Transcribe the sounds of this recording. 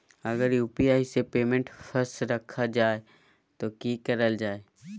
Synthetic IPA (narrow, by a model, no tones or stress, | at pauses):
ɐɡəɾjuːpiaːisepeːmẽɳʈfʰəɾsɾɐkʰːad͡ʒaːe | t̪okiːkɐɾəld͡ʒaːeː